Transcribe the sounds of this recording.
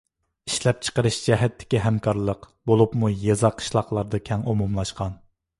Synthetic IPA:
iʃlɛp̚t͡ʃʰə̥qəɾɨʃd͡ʒɛɦɛt̪ʰːɪ̥kʲiɦɛmkʰɑɾlˠəq | bolˠupmujezɑqʰːə̥ʃlˠɑqlˠɑɾd̪ɑkʲʰɛŋumumlˠɑʃqɑn

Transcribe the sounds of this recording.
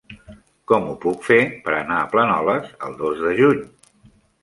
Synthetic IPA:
kɔmupukfepəɾənaəplənɔləsə̰lˠd̪ozðəʒuɲ

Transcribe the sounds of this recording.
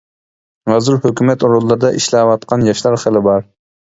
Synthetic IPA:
ʁɑzɨɾhøkʲymɛt̪uɾulˠːɨɾd̪ɑʔiʃlɑwɑt̪̚qʰɑnjɑʃlˠɑɾχəlɪbɑɾ

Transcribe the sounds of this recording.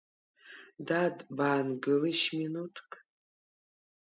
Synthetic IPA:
dadbaːnɡɨlɨʃminutʰkʼ

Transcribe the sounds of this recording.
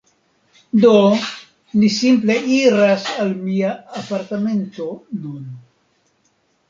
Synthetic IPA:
d̪o | misimple̞ʔiɾasalmiaːpaɾt̪ame̞nto̞nun

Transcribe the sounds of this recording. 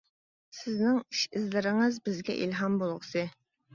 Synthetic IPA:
sɪznɪŋiʃɪzlɪɾɪŋɨzbɪzɡʲɛʔilɦɑmbolˠʁəsɨ

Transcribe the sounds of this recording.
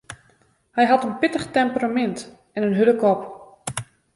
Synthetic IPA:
hɛjɦatənpɪtəχtɛmpəramɛnt | ɛnənɦøləkɔp

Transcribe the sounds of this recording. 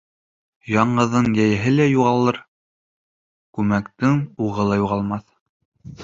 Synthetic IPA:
jɑɴɢɤ̆ðɤɴjæjɘ̆ɦɘlæjuʁɑlˠɤɾ | kʉmækt̪ɘŋuʁɤlˠɑjuʁɑlˠmɑθ

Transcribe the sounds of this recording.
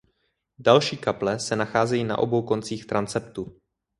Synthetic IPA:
dalʃiːkaplɛsɛnaxaːzɛjiːna̰ʔo̞̰bo̞wko̞nt͡siːxt̪ɾant͡sɛpt̪u

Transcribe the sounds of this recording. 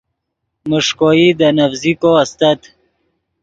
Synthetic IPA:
məʂkoid̪ənafzikoast̪ət̪

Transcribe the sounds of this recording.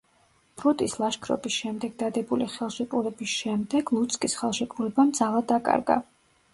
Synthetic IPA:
b̥ɾut̪ʼislˠaʃkʰɾɔ̰bisʃɛmd̪ɛɡ̚d̪ad̪ɛbuliχɛlˠʃɛpʼuɾɛbisʃɛmd̪ɛɡ̥lˠut̪sʰʼkʼisχɛlˠʃɛkʼuɾɛbamd̪zalˠad̪akʼa̰ɾɡa̰

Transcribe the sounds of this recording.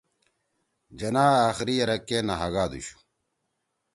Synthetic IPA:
d͡ʑɐnaːaːxɾijɐɾɐkːenaɦɐɣaːd̪ṵɕu̥

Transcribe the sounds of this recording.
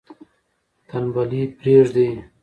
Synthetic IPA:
t̪anwalipɾeʐd̪e

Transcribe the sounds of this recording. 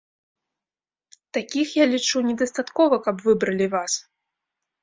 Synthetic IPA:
t̪akʲixjalʲit͡ʂunʲɛd̪ɐst̪at̪kɔvɐkɐbvɨbɾɐlʲivas

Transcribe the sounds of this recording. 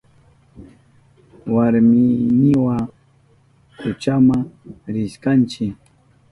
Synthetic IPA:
waɾmɪnɲɪwa | kʊt͡ʃamaŋɾɪʃkant͡ʃɪk

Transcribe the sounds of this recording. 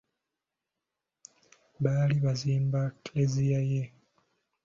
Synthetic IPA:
βaːliβaziːmbaklezijaje

